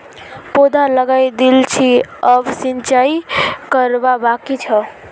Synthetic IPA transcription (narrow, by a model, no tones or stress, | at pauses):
pod̪ʱaləɡajd̪ilt͡ʃʰiəbsint͡ʃaikəɾbabakit͡ʃʰʌ